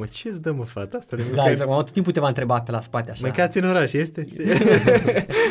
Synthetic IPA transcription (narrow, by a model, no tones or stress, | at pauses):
ət͡ʃesd̪əməfat̪əast̪ad̪ed̪aezak̪amat̪ot̪imput̪evant̪ɾebapelaspat̪eaʃmɨŋkat̪sʲiɨnoɾaʃjest̪e